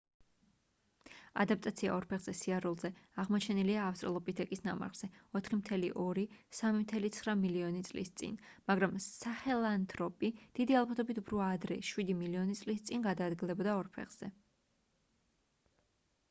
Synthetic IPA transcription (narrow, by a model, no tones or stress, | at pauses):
a̰d̪ap̚t̪ʼat̪sʰia̰ɔɾpʰɛχz̥ɛsiaɾulˠzɛaʁmɔt͡ʃʰɛniliaːfst̪ʼɾɛlˠɔpʼit̪ʰɛkʼisna̰ma̰ʁz̥ɛɔt̪ʰχimt̪ʰɛliʔɔɾisamimt̪ʰɛlit̪sʰχɾamiliɔnit̪sʼlḭst̪sʼḭnmaɡɾamsaχɛlˠant̪ʼʰɾɔpʼid̪̥id̪ialˠbat̪ʰɔbit̪ʰupʰɾuaːd̪ɾɛ̰ʃwid̪imiliɔnit̪sʼlist̪sʼinɡad̪aːd̪ɡilˠɛbɔd̪aɔɾpʰɛ̰χz̥ɛ